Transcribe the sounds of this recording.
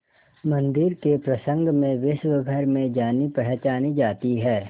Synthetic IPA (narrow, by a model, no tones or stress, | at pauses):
mɐ̃nd̪ɪɾkepɾɐsə̃ŋɡmẽʋɪʃwəɡʱəɾmẽd͡ʒaːnipɛɦt͡ʃaːnid͡ʒaːt̪iɦɛː